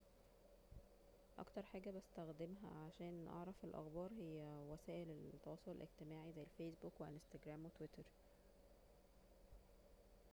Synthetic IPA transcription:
ʔɑ̰kt̪ɑɾˤħaːɡæbæst̪æxd̪emɦæ̰ʕaʃæːnʔɑ̰ʕɾˤɑfelʔɑ̰xbɑːɾˤhejːæwæsæːʔelet̪ːɑwɑːsˤolḛlʔeɡt̪emaːʕizæjːælfeːsbuːkweʔst̪æɡɾæːmwet̪wet̪ɑɾˤ

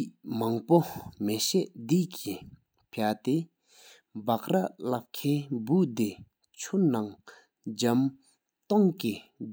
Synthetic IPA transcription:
iʔmaŋpomeɕɛʔd̪iʔki | pʰat̪e | baʔralap̚kʰebud̪e | t͡ɕʰonaŋ | d͡ʑam | t̪oŋki

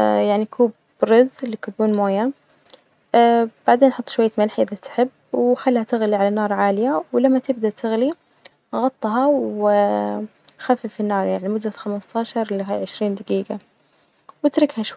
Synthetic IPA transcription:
jaʕnikʰuːb | ɾɪzlːiːkʊbuːnmoːja | b̥aʕd̪eːnʔħʊt̪ˤːʃwajːamalħʔɪðat̪ħɪbːwxalːhat̪ɪɣliʕalanɑːɾˤʕaːlɪjawlamːat̪ɪb̚d̪at̪ɪɣli | ɣɑt̪ˤːɦɑwɪ | xafifinːɑːɾˤjaʕnimʊd̪ːaxamast̪ɑːʃɑɾˤliɦaʕɪʃɾiːnd̪aɡiːɡa | wɪt̪ɾɪkhaʃwa

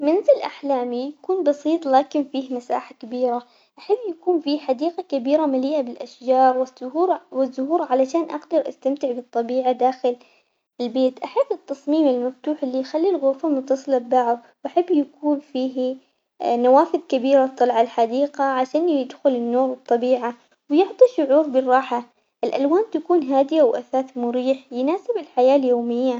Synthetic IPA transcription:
mɪnɪzɪlʔa̰ħlaːmijakuːnbɑsˤiːt̪ˤlaːkɪnfiːhmasa̰ːħakabiːɾa | ʔaħabːjakuːnfiːħad̪iːqakabiːɾamaliːʔabɪlʔaʃd͡ʒɑːɾˤwɪʊhuːɾwɪzːʊhuːɾʕalaʃaːnʔaɡd̪ɑɾˤʔast̪amt̪ɪʕbɨt̪ˤːɑbiːʕad̪aːxɪl | ɪlbeːt̪ʔaħɪbːɪt̪ːɑsˤmiːmɪlmaft̪uːħɪlːijxalːilɣʊɾfamʊt̪ːɑsˤlabbaʕʊwʔaħabːjakuːnfiːɦ | nawaːfɪðkabiːɾat̪ˤːɑlʕalħad̪iːqaʕaʃaːnjjɪd̪xʊlɪnːoːɾɨt̪ˤːɑbiːʕa | wjʊʕt̪ˤiʃʊʕuːɾbɪrˤɑːħa | ʔɪlʔalwaːnt̪akuːnɦaːd̪ɪjawʔaθaːθmʊɾiːħjnaːsɪbɪlħajaːljoːmɪjːa

